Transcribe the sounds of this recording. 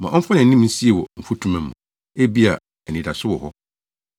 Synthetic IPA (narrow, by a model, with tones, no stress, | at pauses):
mã˨ʔɔ̃˦m̩˦fɔ˦nɪ̃˨n˦ĩ˦m˦n̩˦si˦e˨wɔ˨m̩˨fu˦tʰũ˦mã˨m̩ː˨ũ˨ | e˦bi˦a˨ | ɛ˨nĩ˨da˨sʊ˦wɔ˨hɔ˦